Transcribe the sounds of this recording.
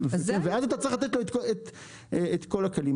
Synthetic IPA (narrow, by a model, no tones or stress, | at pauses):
vnveazat̪at͡sʁiχlat̪t̪loet̪koet̪ | eet̪ko̞lakalim